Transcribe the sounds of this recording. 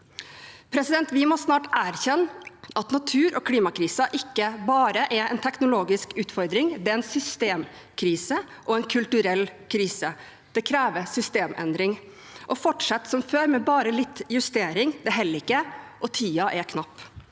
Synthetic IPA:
pʰɾɛsɪd̪ɛnt̪ʋɪmɔsnɑːʈæːɾçɛnːʔɑt̪nɑt̪ʰʉːɾʔɔkʰliːmɑkʰɾiːsəʔɪkːəbɑːɾəʔɛɛnt̪ʰɛknʊloːɡɪskʉːt̪fɔɾd̪ɾɪŋd̪ɛɛnsʏst̪eːm | kʰɾiːsə | ʔɔɛnkʰʉlt̪ʉɾɛlːkʰɾiːsə | d̪̥ɛkʰɾæːʋəsʏst̪eːmʔɛ̰nd̪ɾɪŋ | ʔɔfɔʈʂɛt̪ːsɔmføːɾmɛbɑːɾəlɪt̪ːjʉst̪eːɾɪŋd̪ɛɦɛlːɾɪkːəʔɔt̪ʰiːɑʔɛkʰnɑpː

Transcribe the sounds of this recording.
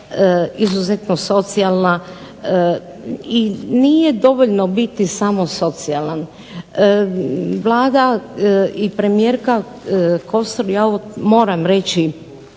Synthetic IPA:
izuzet̪noso̞t̪sialˠna | iniːje̞d̪o̞ʋoʎnobit̪isamo̞so̞t̪sialan | ə | ʋlˠaːd̪a | ipɾemijeːɾka | ko̞st̪oɾjaoomo̞ːɾamɾet͡ɕi

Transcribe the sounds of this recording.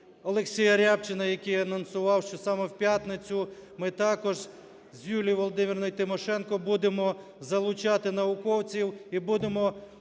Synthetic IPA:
ɔlˠeksʲijɐɾʲapt͡ʃɪnɐjɐkɪjɐnɔnsʊʋɑwʃt͡ʃɔsɑmɛwpʲjat̪nɪt͡sʲʊmɪt̪ɑkɔʒ | zʲjʲulʲijʋɔlˠɔd̪ɪmʲirnɔjt̪ɪmɔʃɛnkɔbud̪emɔ | zɐlˠʊt͡ʃɑt̪ɪnɐʋʊkɔwt͡sʲiwibud̪emɔ

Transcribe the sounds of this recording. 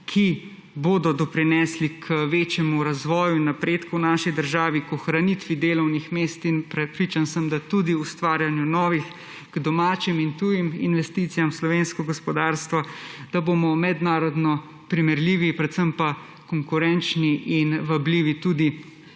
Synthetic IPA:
kʰi | boːd̪ɔd̪ɔpɾinɛslikʰʋeːt͡ʃjɛmuɾazʋɔːjunapɾeːt̪kuwnaːʃid̪əɾʒaːʋikɔxɾanit̪ʋid̪eːlɔwnixmeːst̪inpɾɛpɾit͡ʃansəmd̪at̪ud̪iust̪ʋaːɾjanjunɔːʋix | ɡ̥d̪ɔmaːt͡ʃimint̪ujimḭnʋɛst̪it̪sijamslɔʋeːnskɔɡɔspɔd̪aɾst̪ʋad̪̥abomɔmɛd̪naːɾɔd̪nɔ | pɾimɛɾliːʋipɾɛt̪səmpa | kɔŋkuɾɛnt͡ʃniʔinʋabliːʋit̪ud̪i

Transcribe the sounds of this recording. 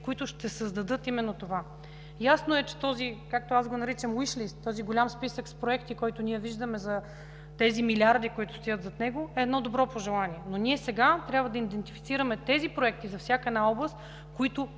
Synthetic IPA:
koit̪ʊʃt̪ɛsəzd̪ɐd̪ɤt̪imɛnːot̪ova | jasnoɛt͡ʃɛ̥t̪ɔzikak̚t̪oazɡonɐɾit͡ʃəmwiʃlist̪ːɔziɡolʲamspisəkspɾoɛkt̪ikɔjt̪ʊnʲiɛviʒd̪əmɛzɐ | t̪ɛzimilʲiaɾd̪ikoit̪ʊ̥st̪ojɤt̪zɐt̪nɛɡoɛːd̪nɔd̪obɾɔpoʒɛlˠaniɛnonʲiɛsɛɡat̪ɾʲabvəd̪ɐid̪ɛnt̪ifit̪siɾəmɛt̪ɛzipɾoɛk̚t̪izɐfsʲjakəɛd̪naɔblˠəst̪ | koit̪ʊ

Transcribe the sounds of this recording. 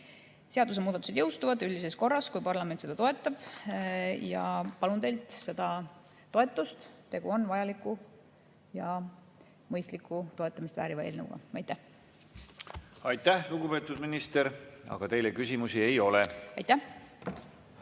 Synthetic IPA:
se̞ɑd̪us̬e̞muːd̪ɑt̪ːˑused̪jɤwst̪uvɑd̪ylʲd̪ise̞sko̞rːɑskujpɑrlɑme̞nt̪se̞d̪ɑt̪o̞e̞t̪ˑːɑb̥ | jɑ̰pɑlune̞jlt̪se̞d̪̥ɑ | t̪o̞e̞t̪ːˑust̪t̪e̞ɡ̥uonvɑjɑlikːˑu | jɑ | mɤjst̪likːˑut̪o̞et̪ːˑɑmist̪væ̰ːɾivɑe̞̰ːlnə̰wɡ̥ɑ̰ɑjt̪ːˑæh | ɑjt̪ːˑæhluɡupe̞ːt̪ːˑud̪minist̪eɾɑ̰ɡ̥ɑt̪e̞jlekysʲimusie̞jo̞leɑ̰jt̪ːæh

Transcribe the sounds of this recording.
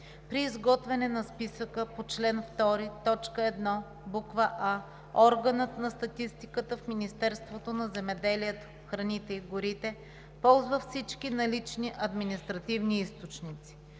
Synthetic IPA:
pɾiːzɡɔt̪vɛnɛnɐspisəkəpot͡ʃlɛnft̪ɔɾit̪ɔt͡ʃkəɛd̪nɔ | bukvəʔa | ɔɾɡənət̪nɐst̪ɐt̪ist̪ikət̪əfminist̪ɛɾst̪vot̪onɐzɛmɛd̪ɛliɛt̪o̥ | xɾɐnit̪ɛiɡʊɾit̪ɛ | pɔlˠzvəfsit͡ʃkinɐlit͡ʃniʔɐd̪minist̪ɾɐt̪ivniist̪ot͡ʃnit̪si̥

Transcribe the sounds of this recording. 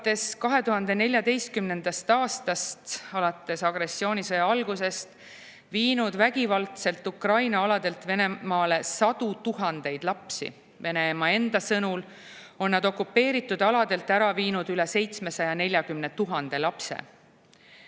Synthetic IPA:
t̪ːˑe̞skɑɦe̞t̪uɦɑnd̪e̞ne̞lʲjɑd̪e̞jst̪̚kymne̞nd̪̥ɑst̪ɑːst̪ɑst̪ɑlɑt̪ːˑe̞sɑɡ̥ɾe̞sːio̞ːnʲisɤjɑɑlɡ̥use̞st̪ | viːnud̪væɡ̥ivɑlt̪se̞lt̪ˑukrɑjnɑɑlɑd̪e̞lt̪ve̞ne̞mɑːle̞sɑd̪̥ut̪uɦɑnd̪e̞jd̪̥lɑpsḭ | ve̞ne̞mɑe̞nd̪̥ɑsɤnul | o̞nːɑd̪o̞kːˑupːe̞ːɾit̪ːˑud̪̥ɑlɑd̪̥e̞lt̪æɾɑviːnud̪yle̞se̞jt̪sme̞sɑjɑne̞lʲjɑɡymnet̪uɦɑnd̪̥e̞lɑpse̞̰

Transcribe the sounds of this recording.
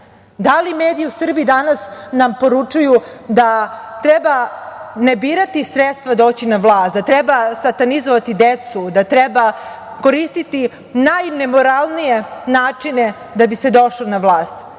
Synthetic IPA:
d̪alimeːd̪iiusr̩biːd̪anasnampo̞ɾut͡ʂuju | d̪at̪ɾebanebiːɾat̪isɾet̪st̪ʋad̪o̞ːt͡ɕinaʋlˠaːst̪d̪at̪ɾɛbasat̪anizoʋat̪id̪et̪sud̪at̪ɾɛba | ko̞ɾist̪it̪i | najne̞mo̞ɾalˠnijenaːt͡ʂine̞ | d̪abised̪o̞ʃlonaʋlˠaːst̪

